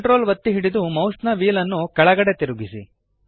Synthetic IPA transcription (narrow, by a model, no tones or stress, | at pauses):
ʈɾo̞ːlʋɐt̪ːiɦiɽid̪umɐwsnɐʋiːlɐnːukɐɭɐɡɐɽe̞t̪iɾuɡisḭ